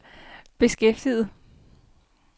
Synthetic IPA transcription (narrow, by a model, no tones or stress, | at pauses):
b̥e̝sɡ̥efd̥ið̩ˠ